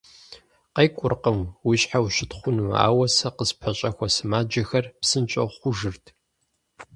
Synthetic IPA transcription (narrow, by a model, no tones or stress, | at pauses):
qɐjkʷʼʊrqəmwiɕħawʃɪtχʷʊnua̰ːwɐsɐqəspʰɐɕʼɐxʷɐsɨmaːd͡ʒɐxɐrpsɨnt͡ʃʼɐ̰χʷʊʒɨrtʰ